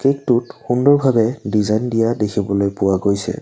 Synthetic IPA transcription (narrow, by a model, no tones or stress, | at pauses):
kek̚tutxundɔɹbʱabɛdizajndijadekʰibɔlojpʊwaɡojsɛ̰